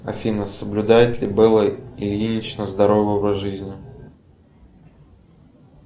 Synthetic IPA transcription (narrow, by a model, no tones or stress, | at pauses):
ɐ̰fʲinəsəblʲʊd̪ajɪt̪lʲɪbɨlˠəɪlʲinʲɪt͡ɕnəzd̪ɐɾovəvəʐɨzʲnʲɪ